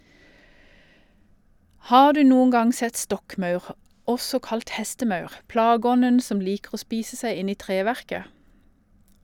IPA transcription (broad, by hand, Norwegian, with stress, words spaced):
ˈhɑː ˈdʉː ˈnuːən ˈɡɑŋ ˈsɛt ˈstɔkˌmɑʉʁ ˈɔsɔ ˈkɑlt ˈhɛstəˌmɑʉʁ ˈplɑːˌɡɔnən ˈsɔm ˈliːkʁ̩ ˈoː ˈspiːsə ˈsæɪ ˈɪn ˈiː ˈtʁeːʋæʁkə